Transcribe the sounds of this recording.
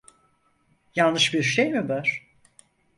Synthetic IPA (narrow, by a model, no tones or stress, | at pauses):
jalˠnɯʃbiɾʃejmibøɾ̥